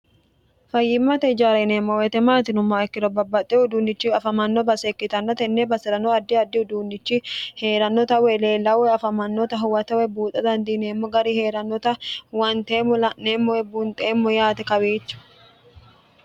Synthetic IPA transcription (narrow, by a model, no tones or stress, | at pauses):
fɐjːɪmːɐt̪ɛɪd͡ʒaːɾɐneːmːɔwɛt̪ɛmaːt̪ɪnʊmːaɛkːɪɾɔbɐbːɐt̪ʼːɛhʊd̪uːnːɪt͡ʃːɪɐfɐmɐnːɔbɐsekːɪt̪ɐnːɐt̪ɛnːɛbɐsɛɾɐnɔɐd̪ːɪɐd̪ːɪhʊd̪uːnːɪt͡ʃːɪheːɾɐnːɔt̪ɐwɛleːlːɐwɛɐfɐmɐnːɔt̪ɐɦʊwɐt̪ɐwɛbuːt̪ʼɐd̪ɐnd̪iːneːmːɔɡɐɾihe̞ːɾɐnːɔt̪ɐwɐnt̪eːmːɔlɐnːeːmːɔwɛbunt̪ʼeːmːɔjaːt̪ɛkɐweːt͡ʃːʊ̥